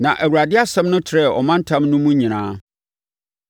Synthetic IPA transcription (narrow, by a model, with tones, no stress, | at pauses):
nã˨ʔæ˨wu˨ɾa˨dɪ˦a˦sɛ̃˦mnʊ̃˦tʰɪ˨ɾɛ˦˨ʔɔ̰˨mã˦n̩˦tʰã˦mnʊ̃˦mũ˦ɲĩ˨nãː˦